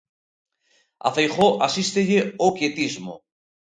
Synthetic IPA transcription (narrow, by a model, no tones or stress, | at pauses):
a̰fejχoʔasist̪eʝeokjet̪izmo̰